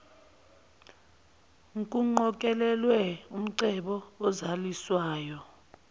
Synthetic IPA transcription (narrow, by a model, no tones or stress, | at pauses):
ŋkʼuŋ͡ǃɔk̬ʼɛlɛlwɛum̩ǀɛɓɔɔzaliswaːjɔ